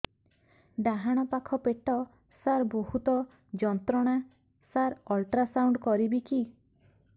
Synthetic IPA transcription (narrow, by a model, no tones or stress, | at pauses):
ɖaɦaɽ̃ɔpakʰɔpeʈɔ | saɾbohut̪ɔ | d͡ʒɔnt̪ɾɔɽ̃a | saɾɔlʈɾasawɳɖkɔɾibiki